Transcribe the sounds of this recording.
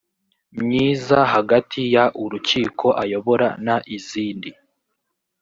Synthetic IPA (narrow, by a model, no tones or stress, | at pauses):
mɲiːzaɦaɡatʰijaʔuɾuciːkʰo̞ʔajo̞βo̞ɾanaʔiziːndi